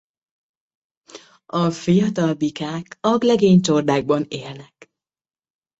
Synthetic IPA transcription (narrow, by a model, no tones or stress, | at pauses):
ɒfijɒt̪ɒlbikaːkɒɡlɛɡeːɲt͡ʃord̪aːɡ̚bɒneːlnɛk